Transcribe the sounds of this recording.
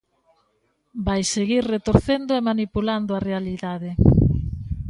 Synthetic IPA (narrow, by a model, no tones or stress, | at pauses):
bajseɣiɾret̪oɾθend̪oemanipuland̪oarealiðaðe